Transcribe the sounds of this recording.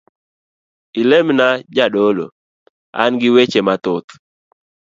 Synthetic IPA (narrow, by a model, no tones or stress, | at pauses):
ɪlemnad͡ʒaɗolo̰ | a̰nɡɪwet͡ʃemat̪ʊt̪